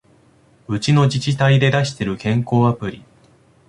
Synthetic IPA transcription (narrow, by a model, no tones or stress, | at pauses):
ɯ̟t͡ɕino̞d͡ʑit͡ɕit̪aid̪e̞d̪aɕi̥t̪e̞ɾɯ̟kẽ̞ŋko̞ːapɯ̟ɾʲi